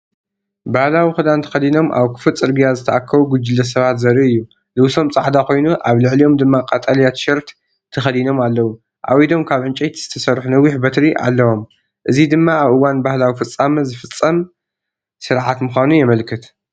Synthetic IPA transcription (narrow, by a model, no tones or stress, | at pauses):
bahlawixɨd̪ant̪ʰɐ̥xɐd̪ino̞mʔa̰βkʰɨ̥fɨt͡sʼɨɾɡijazɨt̪ʰɐʔakʰːɐβuɡʊd͡ʒɨlːɐs̬ɐβat̪zɐɾiɨjːu | lɨwso̞mt͡sʼaʕd̪ako̞jnuʔaβlɨʕlijo̞md̪ɨmːakʼat̪ʼɐlijat̪ʃɐɾt̪ | t̪ʰɐxɐd̪ino̞malːɐwu | ʔa̰wid̪o̞mkʰaβʕɨnt͡ʃʼejt̪ʰzɨt̪ʰɐsɐɾħunɐwːiħbɐt̪ɾiʔa̰lːɐwo̞m | ʔɨzid̪ɨmːaːβʔɨwanbahlawifɨt͡sʼːamɐzɨfɨt͡sʼːɐm | sɨɾʕat̪mɨxʷanujɛmɐlkʰɨt̪